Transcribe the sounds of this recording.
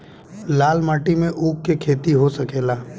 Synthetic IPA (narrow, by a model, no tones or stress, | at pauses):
laːlmaːʈimẽʔuːkːekʰeːt̪iɦosɐkeːlaː